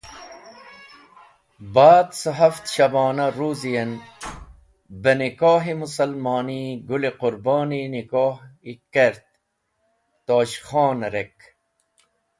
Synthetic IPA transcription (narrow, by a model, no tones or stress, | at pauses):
baːd̪səɦɐft̪ɕɐbaːnɐɾuːzijɐn | bənikoːɦimusɐlmɑːniɡuleqʊɾbaːninikoːhikeɾt̪̚ | t̪oːɕχoːnɾek